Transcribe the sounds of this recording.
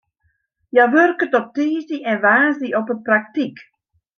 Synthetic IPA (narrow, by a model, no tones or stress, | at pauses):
jaʋørkətɔp̚tiːziʔɛnʋaːziɔpəpraktik